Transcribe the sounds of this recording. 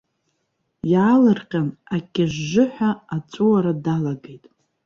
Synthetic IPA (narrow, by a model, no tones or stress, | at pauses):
jaːlɨrqʲanakʲʼaʒːʊħʷᶣaat͡sʷʼuaɾadalaɡejtʼ